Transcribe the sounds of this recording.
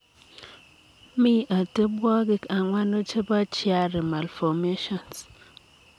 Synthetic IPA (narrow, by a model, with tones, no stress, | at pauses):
mi˦ʔa˨te˦bwɔ˦ɡɪ˦ka˨ŋwa˦no˦t͡ʃe˦ba˦t͡ʃɪ˦a˦ɾɪ˨ma˨lfɔ˨me˦ʃɔ˨ns